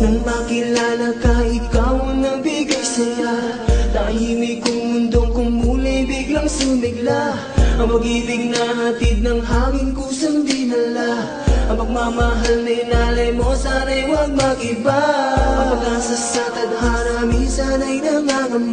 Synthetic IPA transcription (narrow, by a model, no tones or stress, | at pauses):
nɐŋmakɪlaːlɐkɐʔɪkawnɐŋbiɡɐjsɐɲa | t̪ɐɐhiwikʊŋmʊnd̪oŋkʊŋmuːlɛjbiɡlɐŋsumɪɡla | ʔɐŋmɐɡibɪɡ̚nɐɦɐt̪id̪̚nɐŋɦaŋɪnkʊsɐnd̪inɐla | ʔɐmɐɡ̚mamaɦalnɐjnalɐjmosanɐjwɐɡ̚mɐʔɪbaɐɐɡasɐsat̪ɐd̪ɦanɐminsanɐjnɐŋaʔɐm